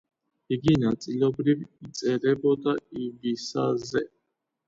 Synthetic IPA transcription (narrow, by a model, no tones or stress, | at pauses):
iɡinat͡sʼilɔbɾiɾit͡sʼɛɾɛbɔd̪aivisazɛ